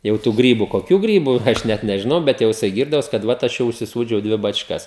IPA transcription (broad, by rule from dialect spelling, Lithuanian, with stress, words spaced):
ˈjɛʊ tuː ˈɡrʲiːbʊ koːˈkʲuː ˈɡrʲiːbʊ ˈɐʃ nʲɛt nʲɛʒʲɪˈnɐʊ ˈbʲɛt jɛʊ jɪˈsɐɪ ˈɡʲiːrdɐʋoːs kɐt ˈʋɐt ˈɐʃ jɛʊ ʊʃʲsʲɪˈsuːd͡ʒʲɛʊ ˈdʲʋʲɪ bɐt͡ʃˈkɐs